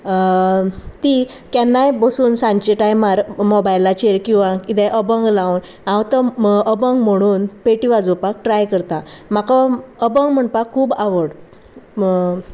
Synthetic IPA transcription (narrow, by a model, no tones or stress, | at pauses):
t̪i | kɛnːajbəsuːnsãɲt͡ɕeʈajmaɾmɔbajlːat͡ɕeɾkĩw̃ʋãkit̪ɛ̃ʔəbəŋɡlaun | ãwt̪əəbəŋɡm̤əɽ̃uːnpeʈiʋad͡zupak̚ʈɾajkəɾt̪am̤akaəbəŋɡm̤əɳpakʰːuːbaʋəɽ